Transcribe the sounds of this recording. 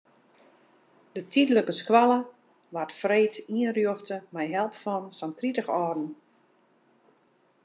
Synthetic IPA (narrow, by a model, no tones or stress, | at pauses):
d̥ətʰidləkəskwalˠə | ʋartfreːtiənrjuxtəmɛjɦɛlˠpfɔnsantritəxɔːrdn̩